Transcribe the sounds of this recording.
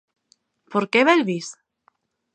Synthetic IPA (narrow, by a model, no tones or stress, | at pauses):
poɾkeβelβis